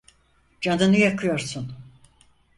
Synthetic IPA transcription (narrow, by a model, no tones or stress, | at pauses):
d͡ʒand̪ɯnɯjakʰɯjo̞ɾsun